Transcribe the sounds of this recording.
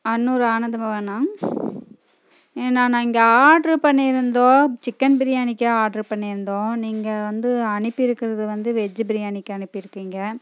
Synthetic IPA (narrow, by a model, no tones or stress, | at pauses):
ɐnːuːɾɯaːnɐd̪ɐmɐʋɐnːaːŋ | eːnːaːnãːɪŋɡɐaːɖɾɯpɐɳːɪɾɯnd̪õːt͡ʃɪkːɐnbɪɾɪjaːnɪkːɐaːɖɾɯpɐɳːɪɾɯnd̪õːniːŋɡɐʋɐnd̪ɯɐɳɯpːɪɾɯkːɪɾɐðɯʋɐnd̪ɯʋɛd͡ʒɯbɪɾɪjaːɳɪkːɐɐnɯpːɯɪɾɯkːiːŋɡɐ